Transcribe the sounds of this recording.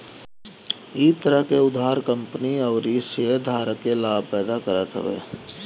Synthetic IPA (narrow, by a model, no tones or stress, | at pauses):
it̪əɾəɦkeʊd̪aːɦɾkə̃mpniəːɾiseed̪ʱaːɾəkːelaːpɛːd̪akəɾət̪ɦə̰ʋḛː